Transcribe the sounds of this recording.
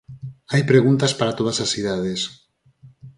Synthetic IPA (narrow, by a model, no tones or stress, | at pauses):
ajpɾeɣunt̪aspaɾat̪oðasasiðað̞es